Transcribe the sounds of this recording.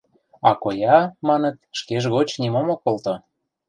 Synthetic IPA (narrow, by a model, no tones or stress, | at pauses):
ɑkojɑmɑnə̆t̪ʃkeʒɣot͡ɕnimomokolt̪ŏ